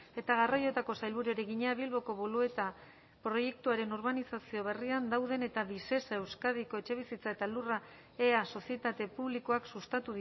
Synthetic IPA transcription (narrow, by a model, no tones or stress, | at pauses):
e̞t̪aɣarajo̞t̪ako̞sajlβuɾueɾeɣiɲeaβilβo̞ko̞βolue̞t̪a | pɾo̞je̞k̚t̪uaɾe̞noɾβanisasio̞β̞e̞riand̪awðe̞ne̞t̪aβise̞saewskað̞iko̞e̞t͡ʃe̞β̞isit͡sae̞t̪alura | e̞aso̞sie̞t̪at̪e̞puβlikoaksust̪at̪uð